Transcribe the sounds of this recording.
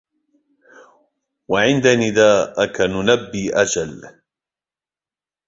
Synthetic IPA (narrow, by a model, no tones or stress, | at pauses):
waʕɪnd̪anɪd̪aːʔakanʊnabːiːʔad͡ʒal